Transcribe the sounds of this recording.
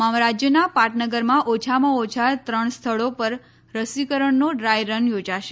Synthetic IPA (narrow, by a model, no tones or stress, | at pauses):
amɾad͡ʒjənapaʈnəɡəɾmãʔot͡ʃʰamãot͡ʃʰat̪ɾəɳ̃st̪ʰəɭopəɾ | ɾəsikəɾəɳnoɖɾajɾənjod͡ʒaʃe